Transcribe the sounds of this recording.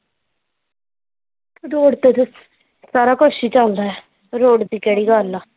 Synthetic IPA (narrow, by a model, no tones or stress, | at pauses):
kʰɾoːɽt̪eːt̪ʊs | saːɾaːkoːʃiːt͡ʃaːld̪aːɛ | ɾoːɽd̪iːkɛːɽiːɡaːlːaː